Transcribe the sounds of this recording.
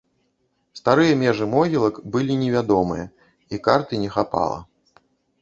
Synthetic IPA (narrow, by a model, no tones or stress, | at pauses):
st̪aɾɨjɐmʲɛʐɨmɔɣʲilˠɐkbɨlʲinʲɛvʲad̪ɔmɨjɐ | ikart̪ɨnʲɛxapa̰lˠɐ̰